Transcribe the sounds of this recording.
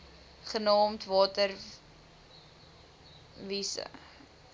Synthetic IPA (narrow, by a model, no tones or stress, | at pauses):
χənɑːmtvɑːtər | visə̰